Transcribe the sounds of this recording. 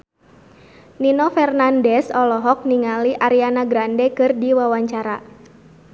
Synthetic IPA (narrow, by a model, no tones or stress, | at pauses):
ninɔfɛrnandɛsɔlɔɦɔk̚niŋaliʔaɾianaɡɾandɛkɨrdiwawaɲt͡ʃaɾa